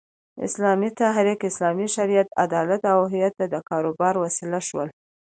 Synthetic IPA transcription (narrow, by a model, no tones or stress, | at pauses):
ɪ̰slɑmit̪aɦɾikɪslɑmiʃaɾijat̪a̰d̪ɑlat̪awɦɪjat̪ːad̪əkɑɾobɑɾwasilaʃwə̰l